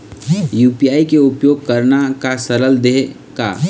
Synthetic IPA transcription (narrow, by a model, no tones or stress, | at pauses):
juːpijaːikeʊpjoːɡ̚kɐɾnakasɐɾəld̪eː | ka̰ː